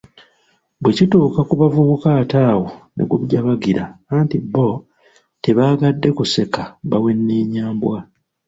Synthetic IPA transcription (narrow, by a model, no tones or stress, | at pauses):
bwe̞cituːkakuβavuβukaːtaːwonḛɡuβɟaβaɡiɾaːntibo | te̞βaːɡadːe̞kuse̞kaβawe̞nːeːɲaːmbwa